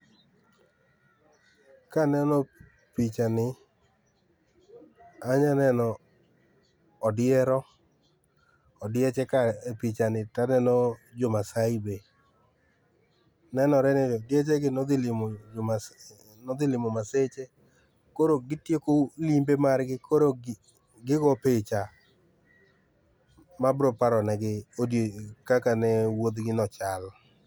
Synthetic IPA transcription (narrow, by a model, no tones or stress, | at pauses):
kanɛnɔ | pit͡ʃanɪ | aɲanɛnɔ | dɪɛɾɔ | ɔdɪɛt͡ʃɛkaepit͡ʃanɪtanɛnɔd͡ʒomasaibe | nɛnɔɾɛnɪɔdɪet͡ʃɛɡɪnɔd̪ɪlɪmd͡ʒa | nɔd̪ɪlɪmɔmaset͡ʃe | koɾoɡɪtjekolimbemarɡɪkʰoɾo | ɡɪɡɔpet͡ʃa | mabɾopaɾɔnɛɡɪodkakanɛwod̪ɡɪnɔt͡ʃal